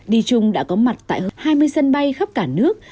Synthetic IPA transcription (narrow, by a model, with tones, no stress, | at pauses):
ɗi˧t͡ɕʊ˧ŋ͡mɗa̰ː˧˥kɔ˨˦ma˨˩t̚t̪a̰ː˧˨jhaː˧jmɨ˧əjsə˧nɓa˧jxə˦˥k͡p̚kaː˧˩nɨ˦˥ək̚